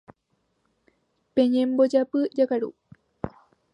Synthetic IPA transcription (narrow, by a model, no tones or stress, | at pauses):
peɲembod͡ʒapɨd͡ʒakaɾṵ